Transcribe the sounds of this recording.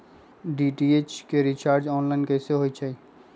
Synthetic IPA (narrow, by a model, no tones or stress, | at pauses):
ɖiʈiet͡ʃkeɾit͡ʃaːɾd͡ʒɔːnlaɪnkɛːseɦoit͡ʃʰai